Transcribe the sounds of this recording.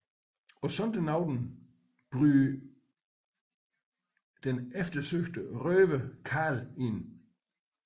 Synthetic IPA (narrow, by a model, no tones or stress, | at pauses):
ɒ̽sɔnd̥ənɑ̈ʊdn̩ | b̥ʁyː | d̥enefd̥ɐsøɡ̥d̥əʁœːʋəkʰɑːlen